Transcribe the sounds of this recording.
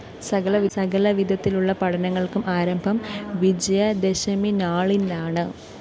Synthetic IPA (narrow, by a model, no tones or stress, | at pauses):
sɐɣɐlɐʋisɐɣɐlɐʋid̪ʱɐt̪ːiluɭːɐpɐʈʰɐnɐŋːɐɭkumʔaːɾɐmbʱɐmʋid͡ʑɐjɐd̪eɕɐminaːɭinaːɳɨ